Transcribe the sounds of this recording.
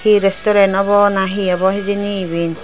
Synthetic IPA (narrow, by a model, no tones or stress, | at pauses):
hiɾestɔɾenɔβɔnaɦiɔbɔɦed͡ʒiniβin